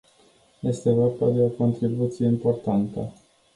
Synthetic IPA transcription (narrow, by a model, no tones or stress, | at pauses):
je̞st̪e̞vo̞rbad̪e̞o̞ko̞nt̪ɾibut̪sije̞impo̞rt̪ant̪ə